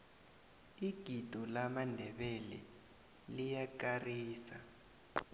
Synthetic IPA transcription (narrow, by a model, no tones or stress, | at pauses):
iɡ̥ʱid̥ʱulamandʱɛɓɛlɛ̰ | lijakariːsa